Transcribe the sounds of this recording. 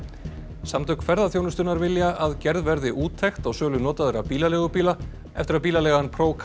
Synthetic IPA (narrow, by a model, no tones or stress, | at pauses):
samt̪œkfɛɾðaθjownʏst̪ʏnaɾvɪljaaðcɛɾðvɛɾðɪʔuːt̪ʰɛjxt̪aɣsœːlʏnɔːt̪aðɛɾapiːlalɛːɣʏpiːla | ɛft̪ɪɾaðpiːlalɛːɣanpʰɾoːwkʰ